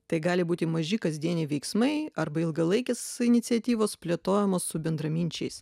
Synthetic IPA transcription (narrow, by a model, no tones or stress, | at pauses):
t̪ɐɪɡɑːlʲɪbuːt̪ʲɪmɐʒʲɪkɐzʲd̪ʲiɛnʲɛʋʲɛɪksmɐɪɐɾbɐɪlˠɡɐlˠɐɪkʲeːsɪnʲɪt̪sʲiɛt̪ʲiːʋoːspʲlʲet̪oːjɛmoːsːʊbʲɛnd̪ɾɐmʲinʲt͡ʃʲɛɪs